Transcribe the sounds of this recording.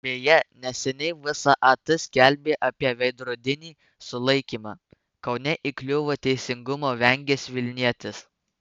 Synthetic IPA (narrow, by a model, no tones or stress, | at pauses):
bʲeːjɛnʲɛsʲɛnʲɛɪʋʲɪsɑʔɑt̪ɪsʲkʲɛlʲbʲeːʔɐpʲiɛʋʲɛɪd̪ɾʊd̪ʲɪnʲiː | sʊlˠɐɪkʲiːmɑː | kɒʊnʲɛʔiklʲʊʋoːt̪ʲɛɪsʲɪŋɡʊmoːʋʲɛŋʲɡʲeːsʋʲɪlʲnʲiɛt̪ʲɪs